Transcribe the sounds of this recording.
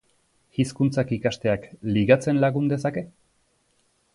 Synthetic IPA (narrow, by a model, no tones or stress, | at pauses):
ɣiskunt͡sakikast̪e̞akliɣat͡se̞nlaɣund̪e̞sake̞